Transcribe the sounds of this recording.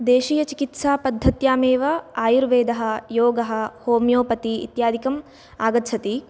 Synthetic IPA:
d̪eːʃiːjɐt͡ʃikit̪saːpɐd̪ʱːɐt̪jaːmeːʋɐaːjuɾʋeːd̪ɐɦɐ̆joːɡɐɦɐ̆hoːmjoːpɐt̪ḭːt̪jaːd̪ʱikɐm | aːɡɐt̪t͡ʃʰɐt̪i

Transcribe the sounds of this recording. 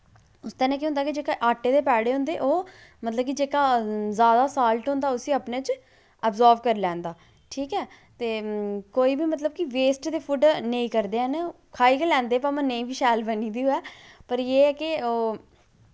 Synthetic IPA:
ʊst̪ənɛ̃ːkiːɦʊ̃nd̪aːkid͡ʒeːkaʔaːʈːeːd̪eːpɛːɽeːɦʊ̃ːnd̪eːʔoː | mət̪ləb̚kid͡ʒeːkaːzaːd̪aːsaːlʈɦõːnd̪aːʊsiːəpneːt͡ʃ | əbzaːɾʋkəɾlɛ̃ːnd̪aː | ʈʰiːkɛː | t̪eːkoːiːbiːmət̪ləb̚kiʋeːsʈd̪eːpʰʊɖnəĩːkəɾd̪eːɛ̃ːn | kʰaːiːkelɛ̃ːnd̪eːpamə̃nə̃ĩːʋiːʃɛːlbəniːd̪iuːɛːpəɾjeːɛːkɪoː

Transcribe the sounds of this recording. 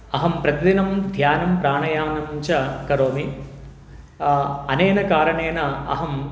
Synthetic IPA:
ɐɦɐmpɾɐt̪id̪inɐmd̪ʱjaːnɐmpɾaːɳɐjaːnɐmt͡ʃɐkɐɾoːmi | ɐneːnɐkaːɾɐɳeːnɐɐ̰ɦɐm

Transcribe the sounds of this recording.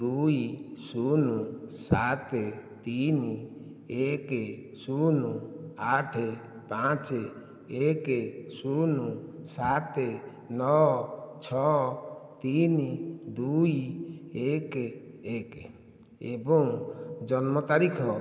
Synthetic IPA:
d̪ujisunusat̪et̪ini | eke | sunuaʈʰe | pãt͡ʃe | ekesunusat̪e | nɔt͡ʃʰɔ | t̪inid̪uiekeek | ebɔŋd͡ʒɔnmɔt̪aɾikʰɔ

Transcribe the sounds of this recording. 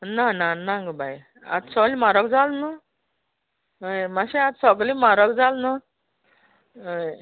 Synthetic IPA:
nananãŋɡbaj | a̰t̪sɔɡlimaɾəkd͡zalnə | əmaɕẽat̪sɔɡlimaɾəkd͡zalnə

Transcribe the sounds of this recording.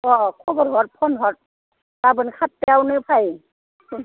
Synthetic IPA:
ɔkʰɔbɔɾɦɔt̚pʰɔnɦɔt̚ | tabɯnkʰat̚ːeawnɯpʰaj

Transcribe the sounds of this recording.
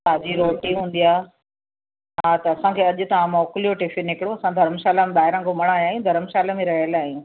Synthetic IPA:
paːd͡ʑiɾoːʈiɦũːnd̪ijaː | ɦaːt̪ɐɐsãkʰeːɐʄʊ̆t̪ɐʋãmɔːklijoʈɪfinɪkɪɽjõɐsãd̪ʱɐɾəmʃaːlamẽɓaːɦɪɾə̃komɐɽ̃aːjaːɦjũd̪ʱɐɾəmʃaːlamẽɾɐɦəlaːɦjũ

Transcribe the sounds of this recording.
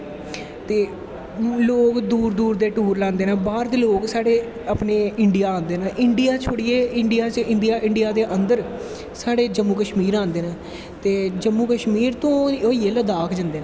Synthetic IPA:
t̪eː | loːkd̪uːɾd̪uːɾd̪eːʈuːɾlãːnd̪eːnãːbaːɾd̪eːloːksaːɽeː | əpneːɪɳɖɪjaːãːnd̪eːnaːʔɪɳɖɪjaːt͡ʃʰoɽiːeːɪɳɖɪjaːt͡ʃɪɳɖiaːʔɪɳɖɪjaːd̪eːʔənd̪əɾ | saːɽeːd͡ʒəmːuːkəʃmiːɾãːnd̪eːnaː | t̪eːd͡ʒəmːuːkəʃmiːɾt̪õːoːiːeːləd̪aːkʰd͡ʒə̃nd̪eːnː

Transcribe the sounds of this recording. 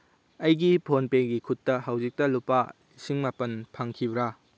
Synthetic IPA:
ɐjɡipʰonpeɡikʰutːɐɦɐwzik̚tɐlupːa | isiŋmapɐnpʰaŋkʰibɾa

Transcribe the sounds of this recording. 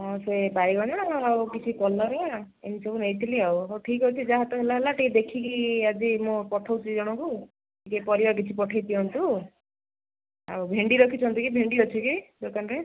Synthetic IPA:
ɔ̃sebaɾiɡɔnɔɽ̃ɔɔawkit͡ʃʰikɔlɔɾea | enisɔbunejt̪ʰiliawɔʈʰikɦɔt͡ʃʰid͡ʒaɦat̪ɔɦelaɦelaʈikd̪ekʰikiad͡ʒimũpɔʈʰawt͡ʃʰid͡ʒɔɽ̃ɔ̃ku | ikepɔɾibak̬it͡ʃʰipɔʈʰajt̪iɔnt̪u | a̰wbʱeɳɖiɾɔkʰit͡ʃʰɔnt̪ukibʱeɳɖiɾɔt͡ʃʰikid͡ʒokanɾe

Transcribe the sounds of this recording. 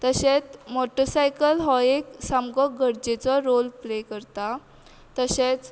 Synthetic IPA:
t̪əɕet͡smoʈəɾsajkəlɦɔeksamɡɔɡʱəɽd͡ʑet͡sɔɾolplekəɾt̪a | t̪əɕet͡s

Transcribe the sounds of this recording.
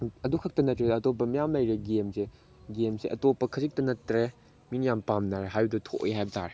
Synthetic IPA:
ɐdukʰɐk̚tɐnɐtɾeɐtop̬ːɐmijamlɐjɾeɡemse | ɡemseʔɐtopːɐkʰɐzik̚tɐnɐtːɾe | minijampamnaɾeɦajbdutʰo̰ʔḭɦajbɐta̰ɾe

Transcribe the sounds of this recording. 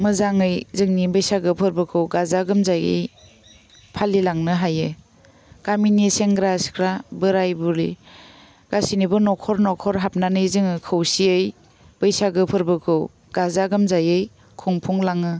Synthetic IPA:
mɯzaŋɯjzɯŋnibɯjsaɡɯpʰɯɾbɯkʰɯwɡazaɡɯmzajɯ̰j | pʰalilaŋnɯɦajɯ | ɡ̥aminiseŋɡɾaskʰɾabɯɾajbuli | ɡ̥asinibɯnɔkʰɔɾnɔkʰɔɾɦap̚nanɯjzɯŋɯkʰɯwsiɯj | b̥ɯjsaɡɯpʰɯɾbɯkʰɯw | ɡ̥azaɡɯmzajɯj | kʰɔŋpʰuŋlaŋɯ

